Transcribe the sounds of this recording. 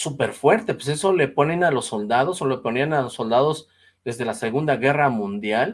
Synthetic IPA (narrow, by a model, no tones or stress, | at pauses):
supe̞ɾfwe̞ɾt̪e̞pwes̬e̞so̞le̞po̞ne̞nalo̞sːo̞ld̪að̞o̞sole̞po̞nianalosːo̞ld̪að̞o̞z | ðe̞zðe̞lase̞ɣund̪aɣe̞ramũnd̪jal